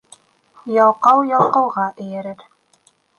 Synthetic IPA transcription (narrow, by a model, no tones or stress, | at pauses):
jɑwˠqɑwjɑwˠqɤ̆wʁɑʔɘ̆jɘ̆ɾɘɾ